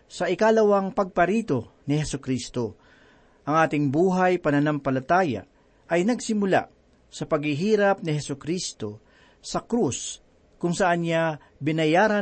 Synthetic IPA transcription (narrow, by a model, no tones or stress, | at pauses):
sɐʔɪkalɐwɐŋpɐɡ̚pɐɾiːt̪o̞nɪhɛsʊkɾist̪o̞ | ʔɐŋʔaːt̪ɪŋbuːɦɐjpɐnɐnampɐlɐt̪aːja̰ | ʔɐjnɐɡsɪmʊla̰ | sɐpɐɡhɪɦiːɾɐp̚nɪhɛsʊkɾist̪o̞ | sɐkɾus | kʊŋsɐʔanɲa | bɪnɐjaːɾa